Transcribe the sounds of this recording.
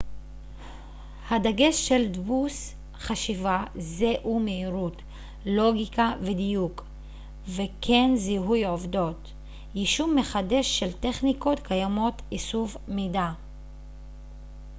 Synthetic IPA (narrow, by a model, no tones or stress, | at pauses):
hadaɡe̞ʃːe̞ldbus | χaʃivazeʔumeiʁut | lo̞ɡikavedijuk | vekʰe̞nziɦujovdo̞t | jiʃumːe̞χade̞ʃːelte̞χniko̞tkʰajamo̞tisuvmeda